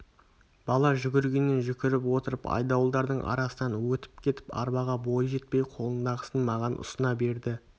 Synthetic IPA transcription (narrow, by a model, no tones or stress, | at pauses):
b̥ɑlˠɑʒʏɡʲɪɾɡʲe̞nːenʒʏkʲɪɾɪpwo̞t̪əɾəpɑ̰jd̪ɑwlˠd̪ɑɾd̪əɴʔɑ̰ɾɑsənɑnwɵt̪ɪ̥p̚kʲʰe̞t̪ɪ̥pɑ̰ɾbɑʁɑbo̞jʒe̞t̪̚pe̞jqʰo̞lˠənd̪ɑʁəsənmɑʁɑnʔʊ̰sənɑbe̞ɾd̪ɪ